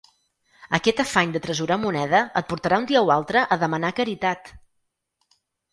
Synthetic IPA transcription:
əkɛt̪əfaɲd̪ət̪ɾəzuɾamunɛðəət̪̚puɾt̪əɾaund̪iəualˠt̪ɾəʔəðəmənakəɾit̪at̪

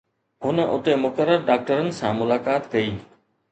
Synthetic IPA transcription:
ɦʊnəʔʊt̪emʊkəɾəɾɖaːk̚ʈəɾənɪ̆sãːmʊlaːkaːt̪kɐiː

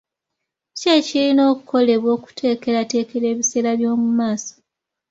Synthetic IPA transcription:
cecilino̞ːkuko̞le̞βwo̞ːku̥tʰe̞ːke̞ɾate̞ːke̞ɾe̞ːβise̞ːɾaβjo̞ːmumaːso̥

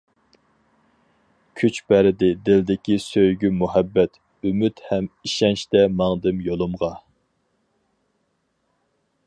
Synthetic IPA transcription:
kʲʰyt͡ʃbæɾɪd̪ɪd̪ɪld̪ɪkʲisøjɡʲymuɦɛbːɛt̪ | ymyt̪hɛmiʃɛnʃt̪ɛmɑŋd̪ɨmjolˠʊmʁɑ

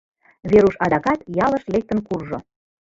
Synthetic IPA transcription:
βeɾuʃɑd̪ɑkɑt̪jɑləʃlek̚t̪ənkurʒo̰

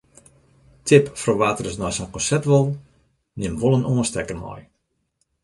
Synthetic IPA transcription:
tʰɪpfroʋaːtərəsnɔjsɔnkɔ̃nsɛp̚tʋolˠ | nɪmʋolˠənoːənstɛkərmɔ̰j

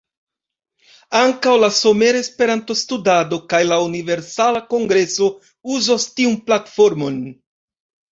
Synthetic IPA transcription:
aŋkawlaso̞me̞ɾespe̞ɾanto̞studado̞kajlaunive̞ɾsalako̞ŋɡɾe̞so̞ | uzostiunplatfo̞ɾmo̞n

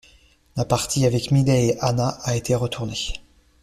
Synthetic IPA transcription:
lapaʁt̪ʰiavɛkmid̪ɛeʔanaʔːet̪ʰeʁət̪ʰuʁne

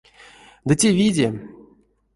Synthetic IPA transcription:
d̪ɨtʲevʲidʲe

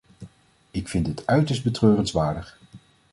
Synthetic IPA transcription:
ɪkfɪndɦətœɥtəɹsd̚bətrøːrənsʋaːɹdəχ

